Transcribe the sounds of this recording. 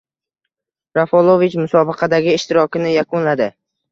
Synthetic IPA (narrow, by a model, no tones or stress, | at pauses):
ɾafolˠovit͡ʃmʊsɒbɨqʰɑd̪aɡʲɪːʃt̪ɪɾɒkʲɪnɪjakʊnlad̪ɪ